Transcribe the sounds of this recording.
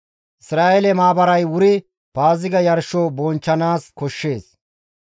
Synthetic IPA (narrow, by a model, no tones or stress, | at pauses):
ʔɪsɾaːʔɛlɛmaːbɐɾɐjwʊɾɪ | paːzɪɡɐjɐɾʃoːbɔnt͡ʃːɐnaːskɔʃːe̞ːs